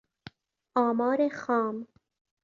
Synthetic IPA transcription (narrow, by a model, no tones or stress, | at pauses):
ɑːmɑːɾexɑːm